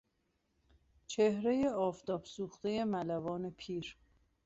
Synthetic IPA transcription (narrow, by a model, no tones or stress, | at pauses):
t͡ʃʰehɾe̞jeɒːft̪ɒːbsuːxt̪e̞je̞mælævɒːne̞pʰiːɾ